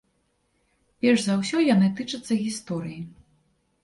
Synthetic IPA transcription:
pʲɛrʐzawsʲɔjanɨt̪ɨt͡ʂɐt̪sːɐɣʲist̪ɔɾɨji

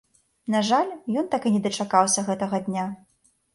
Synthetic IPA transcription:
naʐalʲjɔnt̪akɨnʲɛd̪ɐt͡ʂakawsʲɐɣɛt̪ɐɣɐd̪ʲnʲa

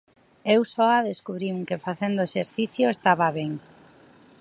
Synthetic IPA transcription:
ewsɔaðeskuβɾiŋkɪfaθend̪ʊeʃeɾθiθjʊest̪aβaβeŋ

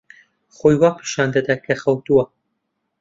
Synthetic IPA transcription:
χojwaːpʰi̥ʃaːnd̪ɐd̪ɐkʰɐxɐwt̪uwɐ

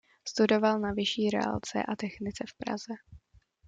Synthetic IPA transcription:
st̪udo̞valnavɪʃiːɾɛ̰a̰lt͡sɛ̰ʔat̪ɛxnɪt͡sɛfpɾa̰zɛ

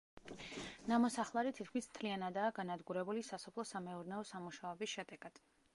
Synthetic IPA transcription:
namɔsaχlˠaɾit̪ʰit̪̚ʰkʰmismt̪ʰlianad̪aːɡanad̪ɡuɾɛbulisasɔpʰlˠɔsamɛɔɾnɛɔsamuʃaɔbisʃɛd̪ɛɡ̥ad̪̥

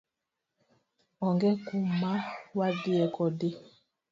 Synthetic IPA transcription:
ɔŋɡɛkumawadiɛkɔdi

